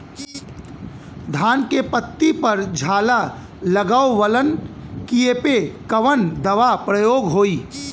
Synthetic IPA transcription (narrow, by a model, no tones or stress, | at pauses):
d̪ʱaːnkepət̪ːipɐɾd͡ʒʱaːla | ləɡaːoʋələnkiepekɐʋənd̪ɐʋapɾəjoːɡɦoːiː